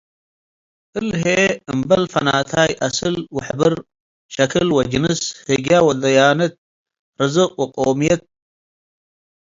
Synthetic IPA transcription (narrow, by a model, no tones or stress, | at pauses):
ɨlɦeɨmbɐlfɐna̰ːt̪ʰaːjʔɐsɨlwaħbɨɾ | ʃɐkʰɨlwɐd͡ʒinɨshɨɡjawɐd̪ɐjaːnɐt̪̚ | ɾɨzɨqʼwaqʼoːmijɐt̪̚